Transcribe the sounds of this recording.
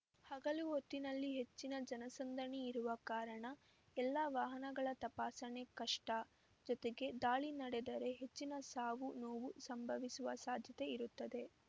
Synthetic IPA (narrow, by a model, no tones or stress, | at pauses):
hɐɡɐluɦot̪ːinɐlːiɦe̞t͡ʃːinɐd͡ʒɐnɐsɐnd̪ʱɐɳiːɾuʋɐkaːɾɐɳɐ | ɛlːɐʋaːɦɐnɐɡɐɭɐt̪ɐpaːsɐne̞kɐʂʈɐ | d͡ʒɔt̪eɡe̞d̪aːɭinɐɽed̪ɐɾe̞ɦe̞t͡ʃːinɐsaːʋunoːʋusɐmbʱɐʋisuʋɐsaːd̪ʱjɐt̪e̞iɾut̪ːɐd̪e̞